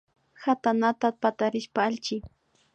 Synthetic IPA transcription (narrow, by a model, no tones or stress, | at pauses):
hat̪anat̪apat̪aɾɪʃpaalt͡ʃɪ